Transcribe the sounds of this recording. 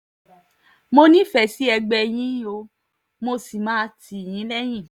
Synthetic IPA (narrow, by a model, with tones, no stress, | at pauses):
mo˧nĩ˦fɛ˨si˨˦ɛ˧ɡ͡bɛ˧j̃ĩ˨˦o˧ | mo˧si˨mãː˨˦ti˨j̃ĩ˨˦lɛ˦j̃ĩ˦˨